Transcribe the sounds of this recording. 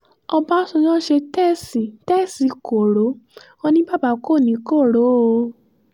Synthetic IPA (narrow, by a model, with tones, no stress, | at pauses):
ɔ˧ba˦sɔ̃˧nã˦ʃe˧tɛ˦˨sĩ˨tɛ˦˨si˨˦ko˨ɾo˨˦ | ɔ˧nĩ˦ba˦˨ba˨˦˨ko˦˨nĩ˨˦ko˦˨ɾo˨˦˧